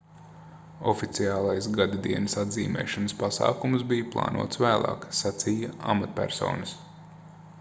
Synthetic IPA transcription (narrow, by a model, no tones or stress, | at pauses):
ɔfit̪siaːlˠajsɡad̪ad̪iɛnɐsad̪zḭːmɛ̰ːʃanəspasɑ̰ːkumsbijplˠɑ̰ːnʔṵːt̪svæːlˠɑ̰ːksat̪sijaa̰mat̪pʲæ̰ɾsɔ̰ːnɐs